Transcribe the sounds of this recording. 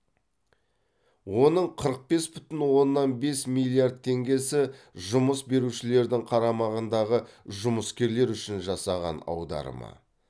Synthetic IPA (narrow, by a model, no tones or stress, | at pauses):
wo̞nəɴqʰəɾəq̚be̞sbʏt̪ɪnwo̞nːɑnbe̞smilʲˠijard̪̚t̪ʰːe̞ŋɡʲe̞sɪ | ʒʊməsbe̞ɾuʃɪle̞ɾd̪ɪŋqʰɑɾɑmɑʁənd̪ɑʁəʒʊməskʲe̞ɾle̞ɾʏʃɪnʒɑsɑʁɑ̰nɑ̰wd̪ɑ̰ɾə̰mɑ̰